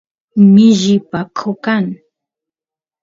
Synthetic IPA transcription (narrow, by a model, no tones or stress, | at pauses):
mɪʒɪpakʰokaŋ